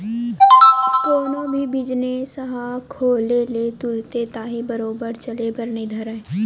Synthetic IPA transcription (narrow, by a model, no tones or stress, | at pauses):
k̪oːnõbʱibɪd͡ʒnesəɦakʰoːlelet̪ʊɾt̪et̪aːɦibəɾoːbəɾt͡ʃəlebəɾned̪ʱəɾɛ̃ː